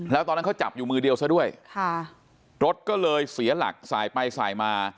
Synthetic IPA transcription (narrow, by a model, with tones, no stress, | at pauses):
lɛː˦˥t̪ɔː˧nː˦˥kʰwt͡ɕa̰˨˩p̚juː˨˩mɯː˧di˧əwsa˥du˥˩əjkʰa˥˩ | ɾo˦˥t̪̚kɔː˥˩lɤː˧jsi˩˦ɐla̰˨˩k̚sa̰ː˩˦jpa˧jsa̰ː˨˩jmaː˧